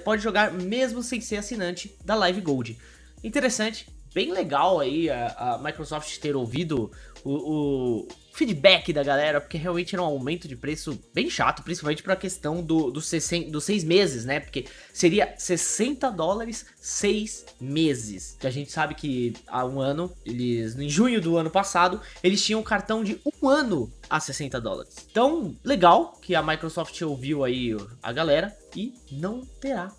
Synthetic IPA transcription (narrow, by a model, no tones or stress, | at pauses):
pɔd͡ʒɪʒoɡaɾmezmʊsẽj̃seɾasinɐ̃nt͡ʃɪd̪ɐlajvɪɡowd͡ʒɪ | ĩt̪eɾesɐ̃nt͡ʃɪ̥b̥ẽj̃leɡawaiaamajkɾosɔft͡ʃɪ̥t̪eɾowvid̪ʊʊː | fid͡ʒɪbɛkɪd̪ɐɡalɛɾɐpoɾkeɦeawmẽnt͡ʃɪɛɾɐũawmẽnt̪ʊd͡ʒɪpɾesʊb̥ẽj̃ʃa̰t̪ʊpɾĩsipawmẽt͡ʃɪpɾɐkest̪ɐ̃w̃d̪ʊd̪ʊsesẽd̪ʊsejzmezɪsnɛpoɾke | seɾiɐsesẽnt̪ɐd̪ɔlaɾɪsː | ejs | mezɪskɪaʒẽnt͡ʃɪ̥sabɪkɪa̰ũɐ̃nʊelɪznʊẽʒũɲʊd̪ʊɐ̃nʊpasad̪ʊelɪst͡ʃĩɲɐ̃w̃ʊkaɾt̪ɐ̃w̃d͡ʒɪũɐ̃nʊasesẽnt̪ɐd̪ɔ̰la̰ɾɪst̪ɐ̃w̃leɡawkɪɐmajkɾosɔft͡ʃɪowviwaia̰ɡalɛɾɐɪnɐ̃w̃t̪eɾa